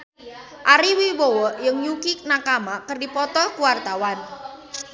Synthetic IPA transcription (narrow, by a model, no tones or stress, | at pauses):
ʔaɾiwibowɔʔjəŋjukik̚nakamakərdipɔt̪ɔkuwart̪awan